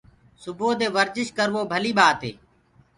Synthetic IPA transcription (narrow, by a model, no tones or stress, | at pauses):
sʊboːd̪eːʋəɾd͡ʒɪʃkəɾʋoːbʱəliːɓaːt̪ɦḛː